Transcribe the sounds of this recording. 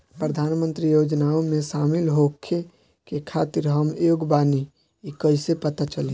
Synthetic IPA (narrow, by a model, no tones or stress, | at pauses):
pɾəd̪ʱaːnmə̃nt̪ɾijod͡ʒnaomẽsaːmilɦokʰːe | kekʰat̪iɾɦəmjoɡbani | ikəisepət̪at͡ʃəli